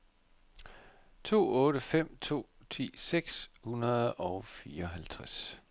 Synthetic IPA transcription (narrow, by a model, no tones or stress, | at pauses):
t͡sʰo̝̰ːɔ̽ːɾəfem̰t͡sʰo̝̰ː | t͡sʰḭːseɡ̥shunɐðˠɒ̽ʊfiːɐɒɦælt͡sʰʁas